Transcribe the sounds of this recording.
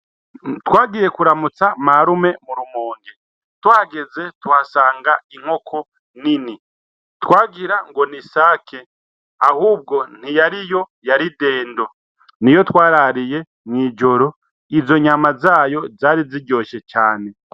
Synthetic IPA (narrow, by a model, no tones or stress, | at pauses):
twaːɡije̞kuɾamut͡samaɾume̞muɾumoːŋɡe | twaɡe̞ze̞tuhasaːŋɡaiŋ̥ho̞kʰo̞ | nini | twaːɡiɾaŋɡo̞nisaːkʰe̞ | ahuːb̚ɡo̞n̥hijaɾijo̞ | jaɾide̞ːndo̞ | nijo̞twaːɾaɾije̞ | ŋŋiːd͡ʒo̞ɾo̞ | izo̞ɲamazaːjo̞zaːɾiziɟo̞ʃe̞t͡ʃaːne̞